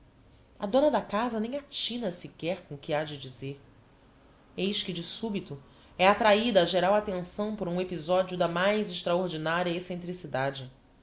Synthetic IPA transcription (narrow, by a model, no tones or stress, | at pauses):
ɐ̰d̪õnɐd̪ɐkazɐnẽj̃at͡ʃĩnɐsikɛɾkõʊkɪad͡ʒɪd͡ʒizeɾ | ejʃkɪd͡ʒɪsubit̪ʊ | ɛat̪ɾaid̪ɐːʒeɾawat̪ẽsɐ̃w̃pʊɾɐũepizɔd͡ʒiʊd̪ɐmajzɪʃt̪ɾaoɾd͡ʒinaɾjɐesẽnt̪ɾisid̪ad͡ʒɪ